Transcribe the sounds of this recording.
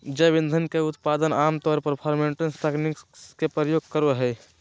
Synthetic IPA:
d͡ʒɛbĩnd̪ʱənkeʊt̪pad̪ənamt̪ɔɾpəɾpʰɔɾmeɳʈənst̪ɛkniksskepɾəjoːɡ̚kəɾeɦɛ

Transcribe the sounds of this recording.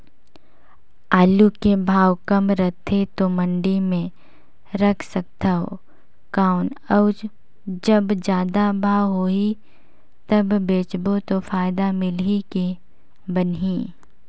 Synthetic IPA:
aːlukebʱaːwkɐmɾət̪ʰet̪omɐ̃ɳɖimẽ | ɾɐkʰsɐk̚t̪aɦo̰ | kaːʊnəʊd͡ʒ | d͡ʒɐbd͡ʒjaːd̪abʱaːwɦoːi | t̪ɐbbeːt͡ʃbot̪ofaːɪd̪amɪliki | bənɦiː

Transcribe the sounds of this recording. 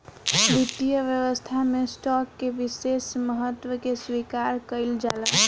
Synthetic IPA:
b̪it̪ːijəʋjəʋəst̪ʰamesʈɔkːeʋisesməɦət̪ːʋəkeswikaɾkəɪld͡ʒala

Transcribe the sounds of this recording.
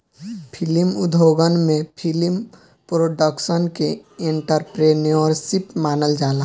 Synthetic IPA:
pʰɪlimʊd̪ʱoːɡənmẽpʰɪlɪm | pɾoːɖəkʃənkeɪ̃ɳʈəɾpɾeːniəɾsɪpmaːnəld͡ʒaːla

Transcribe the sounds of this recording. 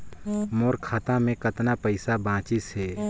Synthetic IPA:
moːɾkʰaːt̪ãmẽkət̪napəɪsabãːt͡ʃɪsɦɛː

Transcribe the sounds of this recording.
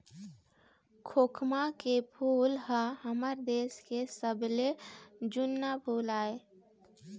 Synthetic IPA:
kʰoːkʰmakepʰuːlɦəɦəməɾd̪eːskesəbled͡ʒʊnːapʰuːlaːe

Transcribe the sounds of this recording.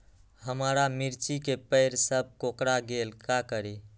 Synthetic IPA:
həmɾamiɾt͡ʃikepəɪɾsəb̚ʱkokɾaɡelkakəɾi

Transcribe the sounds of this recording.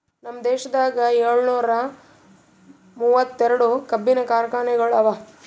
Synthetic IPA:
nɐmːɐd̪eːʃɐd̪aːɡɐɛɾɭunuːɾɐ | muːʋɐt̪ːɛɾɐɽukɐbːinɐkaːɾɐkaːɳɛɡɐɭɐʋɐ

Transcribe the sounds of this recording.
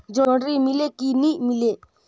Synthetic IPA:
d͡zɔɽɾimilekinimile

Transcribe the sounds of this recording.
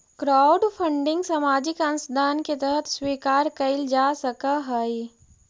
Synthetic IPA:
kɾaːʊɖpʰə̃ɳɖɪ̃ŋɡsɐmaːd͡ʒɪkɐnsd̪ʱaːnket̪əɦət̪swiːkaːɾkɐɪld͡ʒaːsɐkaɦaːi

